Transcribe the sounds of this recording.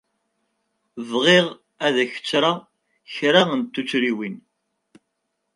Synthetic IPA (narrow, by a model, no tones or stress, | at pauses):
vʁeʁ | æðæçə̥t͡sːɾa | çɾaənt̪ːut͡sːɾiwin